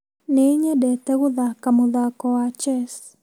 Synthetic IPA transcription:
neɲɛdɛt̪ɛɣʊðakamʊðakɔat͡ʃɛs

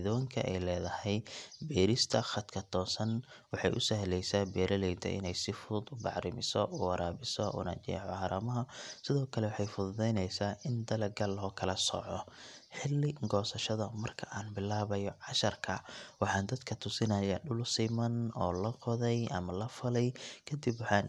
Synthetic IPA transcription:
ðɔːŋkʰɐ̰ʔɛ̰jlɛːðɐhɛjbɛːɾɪst̪ʰɐχɐd̪kʰɐt̪ʰɔːsɐn | wɑħɑ̰jʔʊsɐɦlɛjsaːbɛːɾɐlɛjt̪ʰɛ̰ʔɪ̰nɛjsɪfʊd̪ʊbɑʕɾɪmɪsɔʔʊwɐɾaːβɪsɔʔʊ̰nɐ̰t͡ʃɛ̰ːʕɔhɐɾɐmɐɦɐsɪðɔːkʰɐlɛwɑħɑjfʊððɛjnɛjsaːʔɪnd̪ɐlɐɡɐlɦɔːkʰɐlɐsɔ̰ʕɔħɪlːɪɡɔːsɐʃɐðɐmɐrkʰɐʔaːnbɪlaːβɐjɔʕɑʃɐrkʰɐwɑħɑːnd̪ɐd̪kʰɐt̪ʰʊsɪnɐjɐɗʊlsɪmɐnɔːlɐqɔðɛjʔɐmɐlɐfɐlɛjkʰɐd̪ɪbwɑħɑːn

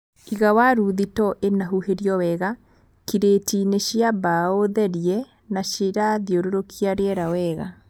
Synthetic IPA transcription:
iɣawaɾuðitɔʔenaɦuheɾiɔwɛɣa | kiɾeːtineɕjabaoðɛɾiɛ | naɕeɾaðioɾoɾokʰiaɾeɛɾawɛːɣa̰

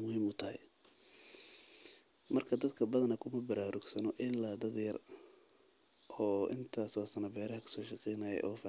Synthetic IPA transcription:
mʊhiːmʊt̪ʰɐhɛ̰j | mɐrkʰɐd̪ɐd̪kʰɐbɐðɐnɐkʰʊmɐbɐɾaːɾʊɡsɐnɔʔɪlːaːd̪ɐd̪jɐr | ʔɔːʔɪ̰nt̪ʰaːsaːsɐnɐbɛːɾɐɦɐkʰɐ̥sɔːʃɑqɛjnaːjɛ̰jʔɔːfɪ

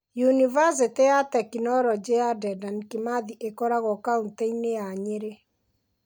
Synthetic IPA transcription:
junivas̬iteatɛkinɔɾɔd͡ʒeadɛdankimaðiʔekɔɾaɣɔkaunteineaɲeɾe

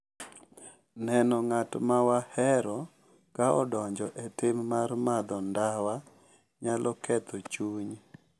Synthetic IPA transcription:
nɛnɔŋatmawahɛɾɔ | kaɔdɔɲd͡ʒɔʔɛtɪmːarmad̪ɔndawa | ɲalʔɔkɛt̪ot͡ʃuɲ

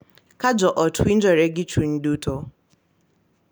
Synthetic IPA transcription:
kad͡ʒɔʔɔtʰʊin̩d͡ʒɔɾeɡɪt͡ʃun̩duto

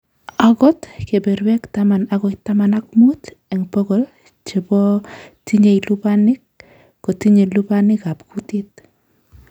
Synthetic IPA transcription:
akɔtkeberwɛktamanaɣɔjtamanak̚muteŋpɔɣol | t͡ʃibɔtiɲejlupanɪk̚ː | otiɲelupanɪkapkutit̚

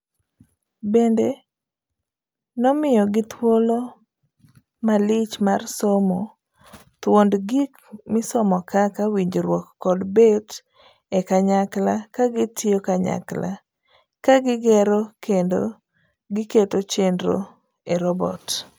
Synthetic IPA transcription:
bende | nɔmɪjɔɡɪt̪wolo | malɪt͡ʃmarsomɔ | t̪wondɡik | mɪsɔmɔkakawiɲd͡ʒoɾwɔkːɔdbet | ɛkaɲaklakaɡɪtʰɪokaɲa̰kla̰ | kaɡɪɡɛɾokendo̰ | ɡɪketot͡ʃendɾo̰ | eɾɔbɔ̰t

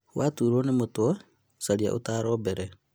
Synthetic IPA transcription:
watuːɾonimuto | saɾia̰ʔṵtaɾoːbeɾe

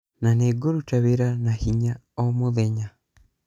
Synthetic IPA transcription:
naneɡoɾutaβeɾanahiɲa | ɔmoðɛɲa

